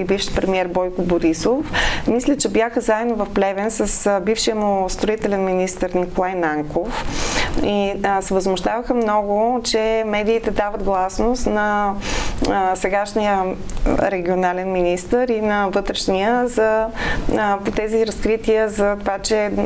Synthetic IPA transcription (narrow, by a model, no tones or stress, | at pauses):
ibifʃi̥pɾɛmiɛɾbɔjkʊboɾisofmislʲət͡ʃɛbjaxəzaɛd̪novɐfplɛvɛnsəsbifʃiəmʊst̪ɾoit̪ɛlɛnminist̪əɾnikolˠajnaŋkof | isɛvəzmʊʃt̪avəxəmnɔɡʊt͡ʃɛmɛd̪iːt̪ɛd̪avɐd̪ɡlˠasnost̪nɐ | sɛɡaʃnijə | ɾɛɡʲionalɛnminist̪əɾinɐvɤt̪ɾɛʃnijəzɐ | pot̪ɛziɾɐskɾit̪iəzɐt̪ovat͡ʃɛ